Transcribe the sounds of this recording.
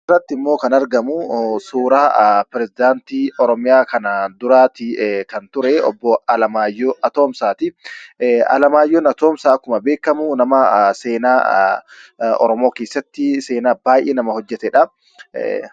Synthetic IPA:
ɪrːɐt̪ːɪɪmːoːkɐnɐɾɡɐmusuːɾaːpɪɾɛzɪd̪aːnt̪iːʔɔɾɔmɪjaːkɐnad̪ʊɾaːt̪ɪkɐnt̪ʊɾɛɔ̰bːɔɐlɐmaːjːoɐt̪o̞ːmsaːt̪ɪ | ɐ̰lɐmaːjːɔnɐt̪oːmsaːkːʊmɐbe̞ːkːɐmʊnɐmɐseːnaː | ɔ̰ɾɔmo̞ːke̞ːsːɐt̪ːɪse̞ːnaːbaːjʔeːnɐmɐhɔd͡ʒːɛt̪ɛᶑɐ

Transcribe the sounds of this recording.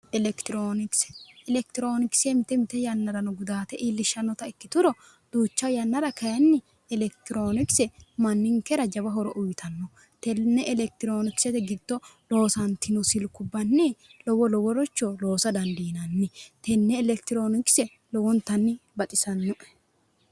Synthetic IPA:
ɛlɛkt̪ɪɾoːnɪksɛ̥ɛlɛk̚t̪ɪɾoːnɪksɛmɪt̪ɛmɪt̪ɛjɐnːɐɾɐnʊɡʊd̪aːt̪ɛʔiːlːɪʃːɐnːɔt̪ɐɪkːɪt̪ʊɾɔ | d̪̥uːt͡ʃːɐjɐnːɐɾɐkɐjɐnːɪ | ɛlɛkt̪ɪɾoːnɪksɛmɐnːɪŋkɛɾɐd͡ʒɐbɐɦɔɾɔʔʊjt̪ʰɐnːɔ | t̪ɛnːɛʔɛlɛk̚t̪ɪɾo̞ːnɪksɛt̪ɛɡɪd̪̥ːɔ | lo̞ːsɐnt̪ɪnʊsɪlkʊbːɐnːɪlɔwɔlɔwɔɾɔt͡ʃːɔlo̞ːsɐd̪ɐnd̪iːnɐnːɪt̪ɛnːɛːlɛkt̪ɪɾo̞ːnɪksɛ | lɔwɔnt̪ɐnːɪbɐt̪ʼɪsɐnːʊʔɛ̥

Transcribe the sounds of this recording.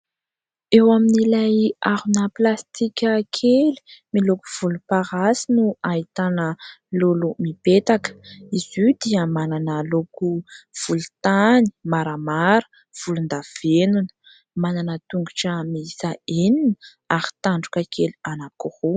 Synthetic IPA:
ewaminilajaɾunəplast̪ikʲəkʰeli̥milokuv̥ulupaɾasinuait̪anəlolumipet̪akə̥izid̪iəmananəlokuv̥ulut̪ani̥maɾamaɾə̥ | v̥ulund̪av̥enunə̥ | mananət̪uŋɡuʈ͡ʂəmisaeninə | aɾi̥t̪aɳɖ͡ʐukəkʰelianakoho

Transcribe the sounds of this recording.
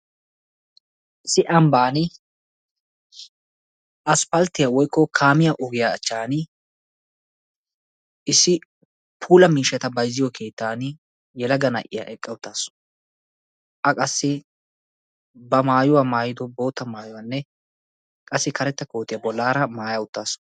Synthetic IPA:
ɪsɪʔɐmbaːnɪ | ʔɐspɐlt̪ːɪjawɔjkːɔkʰaːmɪjaʔɔɡɪjaːt͡ʃːaːnɪ | ɪsːɪ | pʰuːlɐmiːʃɛt̪ɐbɐjzːɪjɔkʰe̞ːt̪ːaːn | jɛlɐɡɐnɐ̰ʔɪja̰ʔɛkʼːɐwʊt̪ːaːsɔ̥ | ʔɐkʼɐsːɪ | bɐmaːjʊwaːmaːjɪd̪ɔbo̞ːt̪ːɐmaːjʊwaːnːɛ | kʼɐsːɪkʰɐɾɛt̪ːɐkoːt̪ːɪjabɔlːaːɾɐmaːjɐwʊt̪ːaːsɔ̥

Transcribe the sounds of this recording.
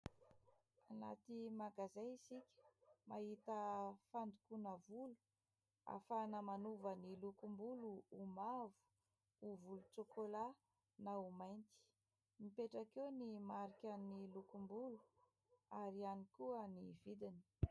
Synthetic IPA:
anat̪imaɡazaisikʲə̥maɦit̪əfand̪ukunəvulu̥ | a̰fanəmanuvənilukumbuluumavu̥ | uvulut͡sokola | naumajnt̪i̥ | mipeʈ͡ʂakenimaɾikʲanilukumbulu | aɾianikuəniv̥id̪ini̥

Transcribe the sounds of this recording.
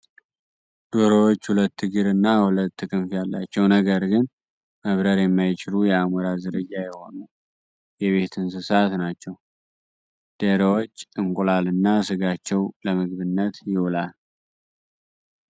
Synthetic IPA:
d̪̥oɾowot͡ʃːhulət̪ːɨɡɨɾɨnːahulət̪ːɨkʰʼɨnfjalːat͡ʃːɛwnəɡəɾɡɨn | məβɾəɾjɛmːajt͡ʃɪlujɛamuɾazɨɾɨd͡ʒːajɛho̞nu | jɛβe̞t̪ʰɨnsɨsat̪nat͡ʃːɛw | d̪̥eɾwot͡ʃːɨŋkʼulalɨnːasɨɡat͡ʃːɛwləmɨɡβɨnːət̪jɪwulal

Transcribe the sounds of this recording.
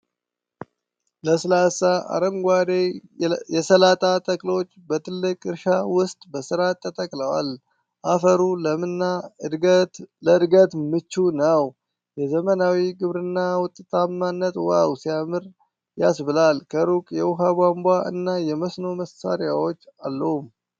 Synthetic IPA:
ləslasaʔa̰ɾəŋɡʷad̪ejɛsəlat̪ʼat̪ʼəkʼlo̞t͡ʃːbət̪ʰɨlːɨkʼɨɾʃawʊst̪ʼbəsɨɾat̪ʰʼːət̪ʼəkʼləwa̰l | ʔafəɾuləmɨnːa | ləɨd̪ɡət̪mɨt͡ʃːunəw | jɛzəmənawiɡɨβɾɨnːawʊt̪ʼːt̪ʼʰamːanːət̪wa̰wsijamɨɾ | jasbɨlalkʰəɾukʼjɛwʊɦabʷambʷaʔɨ̰nːajɛməsno̞məsa̰ɾjawo̞t͡ʃːalːəhum

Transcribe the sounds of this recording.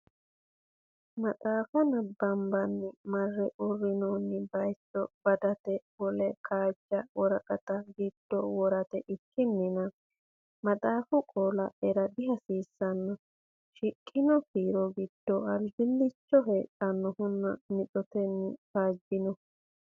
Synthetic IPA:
mɐt̪ʼaːfɐnɐbːɐmbɐnːɪmɐrːɛʔʊrːɪnonːɪbɐjt͡ʃːɔb̥ɐd̪ɐt̪ɛwɔlɛkʰʼaːd͡ʒːɐwɔɾɐkʼɐt̪ɐɡɪd̪̥ːɔwɔɾɐt̪ɛʔɪkːɪnːɪnɐ | mɐt̪ʼaːfʊkʼoːlɐɛɾɐd̪ɪɦɐsiːsːɐnːɔ | ʃɪkʼːɪnɔfiːɾɔɡɪd̪̥ːɔɐɾd͡ʒɪlːɪt͡ʃːɔɦeːtʼːɐnːɔhʊnːɐ̰mɪt͡sʼɔt̪ɛnːɪbaːd͡ʒːɪnɔ

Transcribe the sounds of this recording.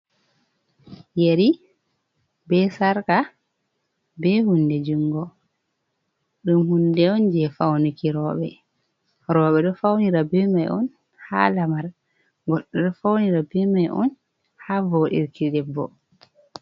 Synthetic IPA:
jeɾi | bɛsaɾka | bɛhundɛd͡ʒuŋɡɔ | ɗumhundɛɔnd͡ʒɛfawnukiɾɔɓɛ | ɾɔɓɛɗɔfawniɾabɛmajɔ̰n | ha̰ːlamaɾ | ɡɔɗːɔɗɔfawniɾabɛmajʔɔ̰n | havoːɗḭɾkiɗɛbːɔ̰

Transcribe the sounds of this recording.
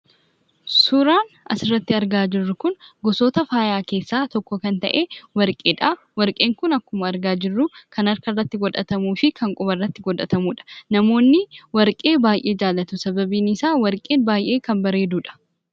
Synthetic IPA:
sʊɾaːn | ɐ̰sɪrːɐt̪ːɪɐɾɡaːd͡ʒɪrːʊkʊnɡɔso̞ːt̪ɐfaːjaːke̞ːsːaːt̪ɔkːɔkɐnt̪ɐ̰ʔe̞ːwɐɾkʼeːᶑaː | wɐɾkʼe̞ːŋkʊnɐkːʊmɐɐɾɡaːd͡ʒɪrːʊkʰɐnɐɾkɐrːɐt̪ːɪɡɔᶑɐt̪ɐmuːfɪkʰɐŋkʼʊbɐrːɐt̪ːɪɡɔᶑ̪ɐt̪ɐmuːᶑɐ̥nɐmo̞ːnːɪwɐɾkʼe̞ːbaːjʔe̞ːd͡ʒaːlːɐt̪ʊsɐbɐbiːnɪsaːwɐɾkʼeːnbaːjʔe̞ːkɐmbɐɾe̞ːd̪uːᶑɐ̥

